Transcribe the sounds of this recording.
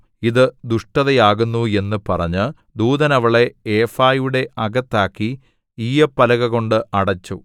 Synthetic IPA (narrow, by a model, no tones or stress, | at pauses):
iðɨd̪uʂʈɐðɐjaːɣunːue̞nːɨpɐrɐɲːɨ | d̪uːðɐnɐʋɐɭe̞eːfaːjuɽe̞ʔɐɡɐt̪ːaːkːi | iːɐpːɐlɐɣɐɣo̞ɳɖɨɐɽɐt͡ɕːu